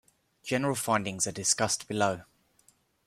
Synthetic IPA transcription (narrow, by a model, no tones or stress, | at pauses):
d͡ʒɛnəɹəlˠfãɪ̃ndɪ̃ŋzədɪskʌstb̥ɪloʊ